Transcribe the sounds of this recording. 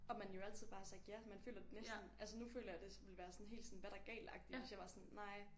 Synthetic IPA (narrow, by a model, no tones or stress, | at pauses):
ɒ̽mænjo̝æl̰t͡sʰið̞̰ˠbɑ̈ːsɑ̈ɡ̥jæmænfø̰ːlɐd̥e̝nesd̥n̩ʔælsənufø̰ːlɐjɑɪd̥e̝ʋe̝lʋæːɐsɒ̽n̩ɦe̝̰ːld̥sɔ̽n̩ʋæɾ̥ɑ̈æɐɡ̥ɛ̰ːlɑ̈ɡ̥̚d̥iʋe̝sjɑ̈ɪʋɑ̈sɒ̽nːɑ̈ɪ̰